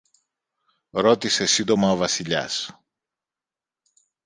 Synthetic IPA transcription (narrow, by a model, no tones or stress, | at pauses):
ɾo̞t̪ise̞sind̪o̞mɐovɐsiʎɐ̰s